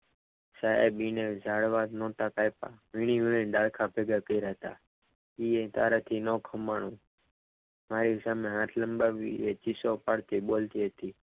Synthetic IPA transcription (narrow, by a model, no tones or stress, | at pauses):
saḛbined͡ʒaːɽʋad̪nɔːt̪apajpa̰ʋiɳ̃iʋiɭinɗaːɽkʰapeːɡakəiɾaɦət̪a̰ː | iet̪a̰ːɾat̪ʰinoːkʰəmːaɳ̃ũː | maːɾisaːmẽɦãːt̪ʰləmbaʋḭet͡ʃisopaɽt̪iɓolt̪iɦət̪iː